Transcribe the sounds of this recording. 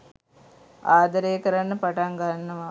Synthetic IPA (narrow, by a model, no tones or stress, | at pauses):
aːd̪ɐɾejəkəɾanːəpaʈaŋɡaɦanːɐʋa